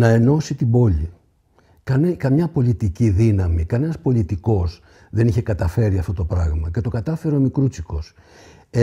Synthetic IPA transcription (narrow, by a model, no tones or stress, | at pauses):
nɐe̞no̞sit̪ibo̞li | kɐnkɐmɲɐpo̞lit̪iciðinɐmikɐne̞nɐspo̞lit̪iko̞s | ðe̞niçe̞kɐt̪ɐfe̞ɾiɐft̪o̞t̪o̞pɾɐɣmɐce̞t̪o̞kɐt̪ɐfe̞ɾomikɾut͡siko̞s | e